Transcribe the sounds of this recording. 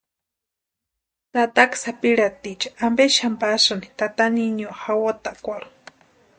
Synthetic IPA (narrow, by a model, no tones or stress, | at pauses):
t̪at̪aksapiɺat̪it͡ʃḁambeʃampasɨnit̪at̪aniɲoxawot̪akʷaɾu̥